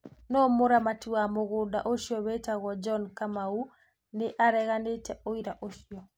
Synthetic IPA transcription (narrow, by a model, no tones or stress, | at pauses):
nɔmoɾamatiwamoɣoːndaʔoʃjɔβetaɣɔd͡ʒɔnkamau | neʔaɾɛɣanetɛoiɾaʔoʃiɔ